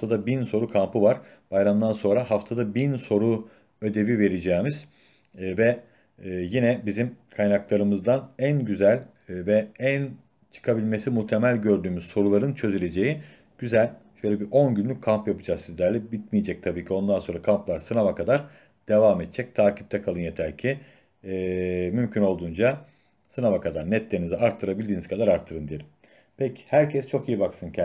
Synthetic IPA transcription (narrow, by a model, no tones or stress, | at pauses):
ft̪ʰad̪abinso̞ɾukʰampɯvaɾ̥ | b̥ajɾamd̪anso̞nɾaɦaft̪ʰad̪abinso̞ɾu | ø̞d̪e̞vive̞ɾed͡ʒɛːmiz̥ | vɛ | jinɛbizimkʰajnaklˠaɾɯmɯzd̪anænɟyzælʲ | vɛæn | t͡ʃʰɯ̥kʰabilʲme̞simut̪ʰemælʲɟø̞ɾd̪yːmyz̥so̞ɾulˠaɾɯnt͡ʃʰø̞zylʲe̞d͡ʒe̞ji | ɟ̥yzælʲʃø̞jlʲɛbiʔo̞nɟynlʲyc̚ʲkʰːampjapɯd͡ʒaksizd̪ʲæɾlʲɛbit̪̚mijed͡ʒɛc̚t̪ʰabiːcʰio̞nd̪anso̞ɾakʰamplˠaɾsɯnavakʰad̪aɾ | d̪̥e̞vaːmet̪̚t͡ʃʰɛc̚t̪ʰaːcʰi̥p̚t̪ʰɛkʰalˠɯnjet̪ʰæɾcʰi | mymcʰyno̞lˠd̪uːnd͡ʒa | sɯnavakʰad̪aɾnɛt̪lʲenizɛaɾt̪ʰːɯɾabilʲd̪iːnizkʰad̪aɾaɾt̪ʰːɯɾɯnd̪ijelʲim | pʰecʰi̥hæɾcʰɛst͡ʃʰo̞kijibaksɯncʰ